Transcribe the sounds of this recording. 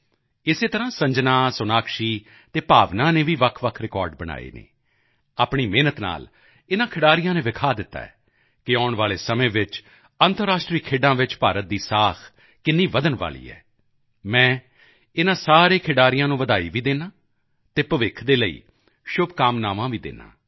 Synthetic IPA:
ɪseːt̪əɾãːsəɲd͡ʒnãːsʊnaːkʰʃiː | t̪eːpaːʋnãːneːʋiːʋəkʰʋəkʰɾɪkɔːɾɖ̚bəña̰ːḛːnḛː | aːpɳiːmeːnət̪na̰ːl | ɪnãːkʰɪɖaːɾɪjãːnẽːʋɪkʰaːd̪ɪt̪ːa̰ːɛ̰ː | kɪɔːʊɳʋaːleːsəmẽːʋɪt͡ʃ | ənt̪əɾːaːʃʈɾiːkʰeːɖãːʋɪt͡ʃpaːɾət̪̚d̪iːsaːkʰ | kɪnːiːʋəd̪ənʋa̰ːlḭːɛ̰ː | mɛ̃ː | ɪnãːsaːɾeːkʰɪɖaːɾɪjãːnũːʋəd̪aːḭːʋiːd̪eːnãː | t̪eːpəʋɪkʰd̪eːləḭː | ʃʊbkaːmnaːʋãːʋiːd̪ḛːnã̰ː

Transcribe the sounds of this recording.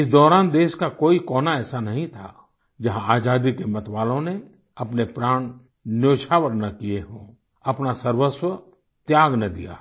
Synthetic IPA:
ɪs̬d̪ɔːɾaːnd̪eːʃkakoːikɔːnaɛːsanɐɦĩt̪ʰa̰ː | d͡ʒɐɦãaːd͡ʒaːd̪ikemɐt̪ʋaːlõne | ɐpnepɾaːɳ̃ | njoːʃʰaːwəɾnɐkijeɦõ̰ː | ɐpnasɐɾwəswə | t̪jaːɡnɐd̪ḭja̰ː

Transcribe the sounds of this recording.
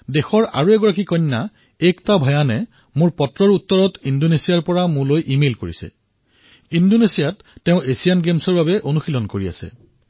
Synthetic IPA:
dexɔɹa̰ɹuɛɡɔɹakikɔɲːa | ɛktabʱɔjanɛ | mʊɹpɔtɹɔɹutːɔɹɔtindonesijaɹpɔɹamʊlojʔimelkoɹisɛ̰ | indonesijatːɛʊ̃esijanɡemsɔɹbabɛʔonuxilɔnkoɹia̰sɛ̰

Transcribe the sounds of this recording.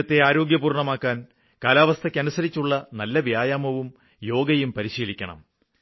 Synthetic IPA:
ɐt̪ːe̞aːɾo̞ːɡjɐpuːrɳɐmaːkːaːn | kaːlaːʋɐst̪ʰɐkʲːɐnusɐɾit͡ɕːuɭːɐnɐlːɐʋjaːjaːmɐʋum | jo̞ːɡɐjumpɐɾiɕiːlikʲːɐɳɐ̰m

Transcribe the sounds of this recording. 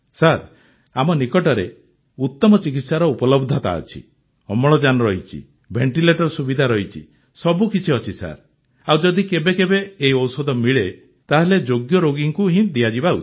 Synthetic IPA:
saɾ | amɔnikɔʈɔɾe | ut̪ːɔmɔt͡ʃik̬it̪saɾɔupɔlɔbd̪ʱɔt̪a̰ɔ̰t͡ʃʰḭ | ɔmɔɭɔd͡ʒanɔɾɔɦit͡ʃʰḭ | bʱeɳʈileʈɔɾsubid̪ʱaɾɔɦit͡ʃʰḭ | sɔbukit͡ʃʰiɔt͡ʃʰisa̰ɾ | awd͡ʒɔd̪ikebekebeːɦiɔwsɔd̪ʱɔmiɭe | t̪aɦeled͡ʒoɡjɔɾoɡiŋkuɦĩd̪iad͡ʒibaṵt͡ʃʰi̥

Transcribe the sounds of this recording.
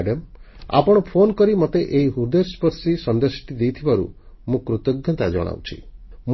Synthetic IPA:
ɖem | a̰pɔɽ̃ɔpʰonɔkɔɾimɔt̪eʔeiɦuɾd̪espɔɾsisɔnd̪esi̥ʈid̪ejt̪ʰibaɾṵ | mũkɾut̪ɔɡjɔt̪ad͡ʒɔ̰ɽ̃a̰wt͡ʃʰim

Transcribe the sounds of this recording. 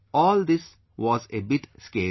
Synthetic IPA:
ɔːld̪ɪs | ʋɔːzebɪʈskeː

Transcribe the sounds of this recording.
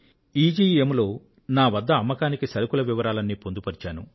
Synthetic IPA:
iːd͡ʒiːemlo̞ː | naːʋɐd̪ːɐːmːɐkaːnikisɐɾukulɐʋiʋɐɾaːlɐnːiːpond̪upɐɾit͡ʃaːnṵ

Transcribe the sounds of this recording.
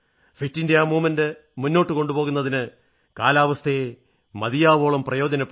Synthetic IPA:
fitːindejamuːmɐnde | munːo̞ːʈːɨko̞ɳɖubo̞ːɣunːɐðinɨ | kaːlaːʋɐst̪ʰee | mɐðijaːʋo̞ːɭɐmprɐjo̞ːd͡ʑɐnɐpː

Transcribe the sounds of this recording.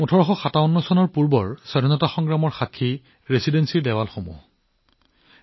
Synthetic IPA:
utʰɔɹɔxɔxataɔnːɔsɔnɔɹpuɹbɔɹsɔdinɔtaxɔŋɡɹamɔɹxakʰːi | ɹesidensiɹdɛwalxomṵ

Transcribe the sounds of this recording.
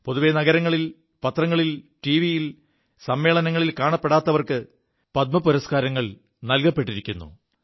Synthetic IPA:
po̞ðuʋeːnɐɣɐɾɐŋːɐɭil | pɐt̪rɐŋːɐɭilʈiːʋijil | sɐmːe̞ːɭɐnɐŋːɐɭilkaːɳɐpːeɽaːt̪ːɐʋɐrkɨ | pɐt̪̚mɐpuɾɐskaːɾɐŋːɐɭ | nɐlkɐpːe̞ʈːiɾikʲːunːṵ

